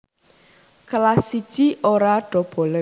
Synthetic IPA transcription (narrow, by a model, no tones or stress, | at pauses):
kəlasid̥ʒ̥iʔoɾaɖ̥ɔ̤b̥ɔ̤lə